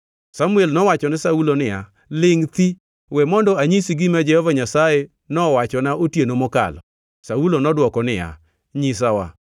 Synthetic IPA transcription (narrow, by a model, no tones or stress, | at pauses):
samuɛlnɔwat͡ʃɔnɪsaulonɪja̰ | lɪŋt̪i | wɛmɔndɔaɲisiɡɪmad͡ʒɛhɔvaɲasaje | nɔwat͡ʃɔnaʔotjenomɔka̰lɔ | saulonɔdwɔkɔnɪja̰ | ɲis̬awa̰